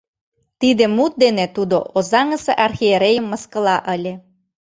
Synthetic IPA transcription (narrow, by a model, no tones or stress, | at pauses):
t̪id̪emut̪̚d̪enet̪ud̪oʔozɑŋəseʔɑrxieɾejə̆mːəskə̆lɑʔəlʲe